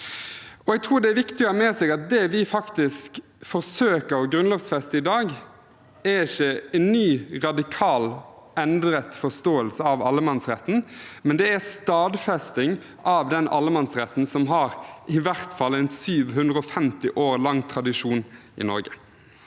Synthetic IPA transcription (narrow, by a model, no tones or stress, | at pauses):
ɔɛɡ̚t̪ʰʁuːɾd̪ɛæʋɪkt̪ɪəmɛsɛːɡɑt̪̚d̪ɛʋɪfɑkt̪ɪsk | fɔʁsøːkəɾɔɡɾʉnloːʋsfɛst̪əɪd̪ɑːɡ | æɪçəɛnːyːʁɑd̪ɪkʰɑːlɛnd̪ɾət̪fɔʁst̪oːəlsəɑʋɑlːəmɛnsʁɛt̪ːn̩mɛnd̪ɛæst̪ɑːd̪fɛst̪ɪŋ | ʔɑʋd̪ɛnʔɑ̰lːəmɛnsʁɛt̪ːn̩sɔmɦɑɾʔɪʋæʁt̪fɑlːɛnsyːʋɦʉnd̪ʁəɔfɛmt̪ɪʔoːɾlɑŋːt̪ʰʁɑd̪ɪʂuːn | ɪ̰nɔ̰ɾɡə